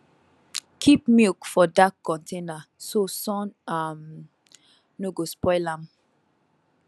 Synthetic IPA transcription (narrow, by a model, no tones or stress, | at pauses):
kʰipmilkfɔdakːɔ̃ntʰẽnasosɔ̃nam | noɡospɔɪlãm